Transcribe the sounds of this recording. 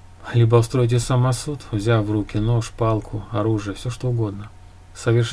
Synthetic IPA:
lʲibəʊst̪ɾo̞jt̬ʲɪsɐmasut̪vzʲavrukʲɪno̞ʂpɑlˠkʰʊɐɾuʐɨjəfsʲoʂt̪o̞ʊɡo̞d̪nə | səvʲɪrʂ

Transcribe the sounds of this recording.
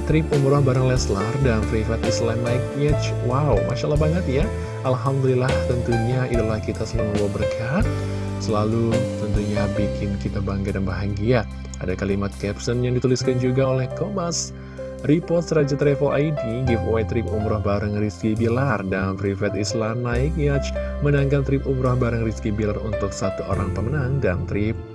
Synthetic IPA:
t̪ɾikumɾɔhbaɾəŋlɛslardanfɾifat̪islamakɛt͡ʃwawmʔaʃalahbaŋət̪ja | alɦamdulilaht̪ənt̪uɲaidulahkit̪asəlaŋməluabərkʰat̪̚ | səlalut̪ənt̪uɲabikʰɪnkit̪abaŋɡadanbaɦaɡia | ʔadakalimat̪̚kɛpsənjaŋdit̪uliskand͡ʒuɡaolɛhkobas | ripɔrt̪̚səɾad͡ʒat̪ɾɛfəlʔa̰jdiɡifoat̪ɾipumɾɔhbaɾəŋriskibilardanfɾifɛt̪islamnaɪk̚at͡ʃ | mənaŋɡant̪ɾɪpumɾɔhbaɾəŋriskibilarunt̪ʊksat̪uʔo̰ɾaŋpəmənaŋdant̪ɾɪp̚

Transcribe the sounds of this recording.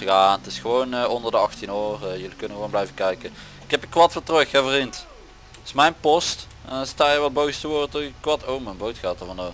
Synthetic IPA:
jaːnətɪsxəʋownəɔndərdəɑxtinøːrjɵlikɵnəɣəʋoːnblɛjvəkɛjkə | ɪkɛpəkʋɑtʋɪltrɵxɛvərint | ɪsmɛjnpɔst | staːjəʋɑt̚bowstəʋoːrtəkʋɑtʰowmənbowtxaːtəɹvɑndɔ

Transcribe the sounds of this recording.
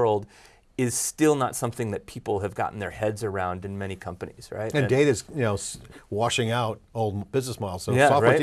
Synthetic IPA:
lˠd | ɪz̥stɪlˠnətsʌ̃mθɪ̃ŋðɨt̚pʰipl̩ˠɨvɡɑ̰ʔn̩ðə˞hɛdzə˞ãʊ̃ndɨ̃nmɛɾ̃ikʰʌ̃mpɨnḭz̥ɹa̰ɪtɨ̃ñdeɪɾɨz̥jɨnoʊswɑʃɪ̃ŋaʊɾoʊlˠd̚b̥ɪznəsmaɪlˠz̥soʊjæɔɹɪ

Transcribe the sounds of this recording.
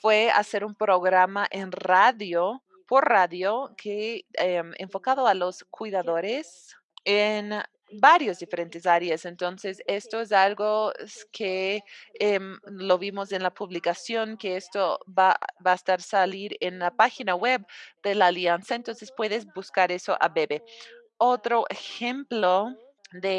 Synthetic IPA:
fwea̰se̞ɾumpɾoɣɾamaʔenraðjo | poɾraðjokʰeemḛɱfo̞kaðoalo̞skʰwiðaðoɾes | en | baɾjozðife̞ɾe̞nt̪es̬aɾjasent̪o̞nsesest̪oes̬alɣokʰe | emloβimose̞nlapuβlikasjo̞ŋkeest̪oabaest̪aɾsaliɾenlapaxinawebd̪elaːljansaent̪o̞nsespwe̞ðez̬buskaɾe̞so̰ʔa̰βeβe | ot̪ɾoʔexemplo | d̪e

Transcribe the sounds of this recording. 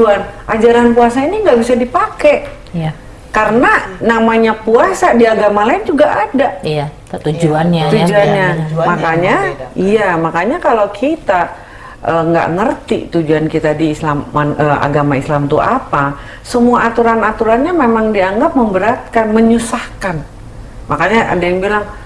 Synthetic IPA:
uanʔad͡ʒaɾanpuasainiŋɡaʔbisadipakɛʔ | kaɾənanamaɲapuasadiaɡamalaɪnd͡ʒuɡaʔada | t̪ud͡ʒuant̪ud͡ʒuanɲamakaɲaiamakaɲakalokʰit̪a | ʔəŋɡa̰ʔŋərt̪ḭt̪ud͡ʒuankit̪adiːslamanəa̰ɡamaislamt̪uapa | səmuaːt̪uɾanat̪uɾanɲamemaŋdiaŋɡap̚məmbəɾat̪̚kanməɲusahkan | makaɲaʔa̰dajaŋbilaŋ

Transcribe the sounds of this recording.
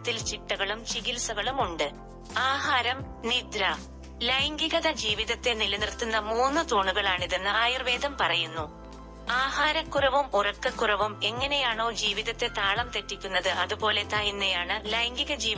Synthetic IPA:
t̪ːilt͡ɕiʈːɐɣɐɭumt͡ɕiɣilsɐɣɐɭumuɳɖɨ | aːɦaːɾɐmnid̪ɾɐ | lɐjŋɡiɣɐðɐd͡ʑiːʋiðɐt̪ːe̞nilɐnirt̪ːunːɐmuːnːɨt̪oːɳuɣɐɭaːɳiðenːɨaːjirʋeːðɐmpɐrɐjunːu | aːɦaːɾɐkːurɐʋumurɐkːɐkːurɐʋume̞ŋːɐne̞jaːɳo̞ːd͡ʑiːʋiðɐt̪ːe̞t̪aːɭɐmt̪e̞tːikʲːunːɐðɨʔɐðupo̞ːle̞t̪aːjinːɐjaːɳɨlɐjŋɡiɣɐd͡ʑiː

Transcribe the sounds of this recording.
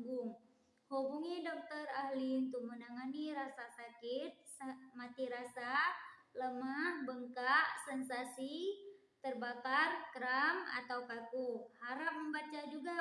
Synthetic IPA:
ɡʊŋ | hobuŋidɔk̚t̪ərahliunt̪ʊk̚mənaŋaniɾasasakɪt̪̚smat̪iɾasaləmahbəŋkaʔsɛnsasi | t̪ərbakarkəɾama̰t̪awkakuhaɾap̚məmbat͡ʃad͡ʒuɡa

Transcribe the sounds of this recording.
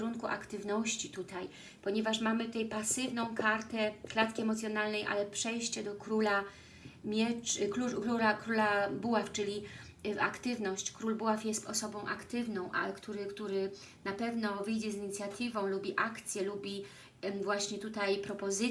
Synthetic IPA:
ɾunkuʔa̰kt̪ɘvnɔɕt͡ɕit̪ut̪aj | pɔɲɛvaʂmamɘt̪ut̪ɛjpasɘvnɔ̃w̃kʰaɾt̪ɛklat̪kʲiɛmɔt̪sjɔnalnɛjʔa̰lɛpʂɛjɕt͡ɕɛd̪ɔkɾula | mʲjɛkukuakɾulabuwaft͡ʂɘlʲi | a̰kt̪ɘvnɔɕt͡ɕkɾulbuwafjɛst̪ɔsɔbɔ̃w̃ʔa̰kt̪ɘvnɔ̃w̃ʔa̰kt̪uɾɘkt̪uɾɘ | napɛvnɔvɘjd͡ʑɛziɲit̪sʲjat̪ɘvɔ̃w̃lubʲiʔakt̪sʲjɛlubʲi | vwaɕɲɛt̪ut̪ajpɾɔpɔzɘ

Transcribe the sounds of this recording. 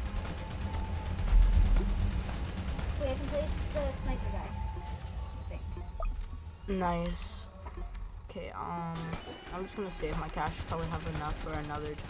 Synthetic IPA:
wiaɪkɨ̃npʰl̥eɪsəsnaɪt̚əɡa | θɪ̃ŋ | naɪs | okʰeɪʔʌ̃m | ãɪ̃md͡ʒʌsɡ̥ʌnɨseɪɨfmaɪkʰæʃpʰɑdlˠiəvɨnʌfə˞ɨnʌðə˞

